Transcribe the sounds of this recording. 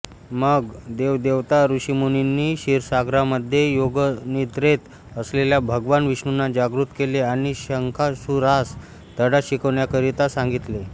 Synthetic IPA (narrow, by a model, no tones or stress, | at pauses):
məɡd̪eʋd̪eʋt̪aɾuɕimuninːiːɕiɾsaɡɾaməd̪ʱjejoɡnid̪ɾet̪ | əsleljabʱəɡʋanʋiɕɳunːad͡ʑaɡɾut̪keleaɽ̃iɕəŋkʰasuɾas | d̪əɽaɕikəʋɳjakəɾit̪asãŋɡit̪le